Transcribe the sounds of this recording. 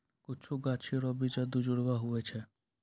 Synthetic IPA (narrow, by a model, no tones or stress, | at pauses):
kit͡ʃʰuɡat͡ʃʰiɾɔbid͡ʒad̪ud͡ʒuɽbaɦuet͡ɕʰe